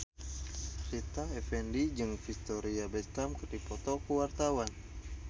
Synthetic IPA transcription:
rit̪aɛfɛndid͡ʒɨŋfist̪ɔɾiabɛst̪amkərdipɔt̪ɔkəwart̪awan

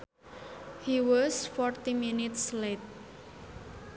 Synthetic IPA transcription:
hiwɔsfɔrt̪iminɪt̪slet̪̚

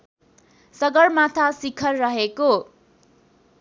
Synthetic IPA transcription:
sʌɡʌrmat̪ʰasikʰʌrːʌɦeko

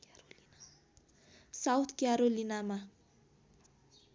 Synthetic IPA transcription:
sawt̪ʰkjaɾolinama

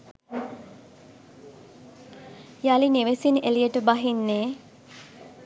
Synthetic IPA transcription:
jalineʋesinelijəʈəbaɦinːeː

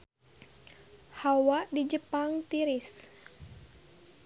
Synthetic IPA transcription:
hawadid͡ʒəpaŋt̪iɾɪs

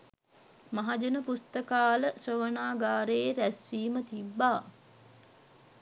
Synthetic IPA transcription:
maɦad͡ʒənəpust̪əkaːləsrəʋənaːɡaːɾeeɾæsʋiːmət̪ibːaː

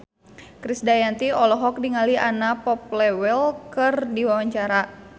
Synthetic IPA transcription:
kɾisdajant̪iɔlɔɦɔk̚diŋaliʔanapɔp̚lɛwɛlkɨrdiwawaɲt͡ʃaɾa

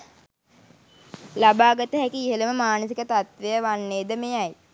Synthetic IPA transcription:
labaːɡət̪əɦækiːɦələməmaːnəsikət̪at̪ʋejəʋanːeːd̪əmejaj

